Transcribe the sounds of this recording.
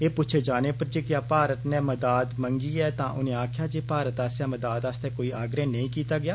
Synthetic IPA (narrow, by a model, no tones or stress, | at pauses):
eːpʊt͡ʃʰed͡ʒaːneːpəɾd͡ʒeːkjaːpaːɾət̪nɛ̃ːməd̪aːd̪məŋɡiːɛːt̪ãːʔʊnẽːaːkʰjaːd͡ʒeːpaːɾət̪aːsjaːməd̪aːd̪ast̪ɛ̃ːkoːiːaːɡɾeːnəĩːkiːt̪aːɡɪjaː